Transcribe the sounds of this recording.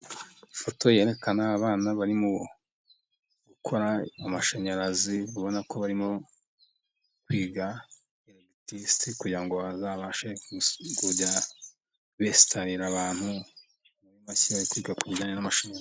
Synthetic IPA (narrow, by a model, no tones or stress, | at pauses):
ifo̞to̞je̞ːɾe̞kanaːβaːnaβaɾimu | ɡukʰo̞ɾaːmaʃeɲaɾaziβuβo̞nako̞βaɾimo̞ | kwiːɡa | iɾoɡitistikuɟiɾaŋɡo̞βazaβaʃeɡuɟa | βesi̥tʰaɾiɾaβaːn̥hu | βaɾimasiajikwiːɡakuɟaːɲenamaʃeɲ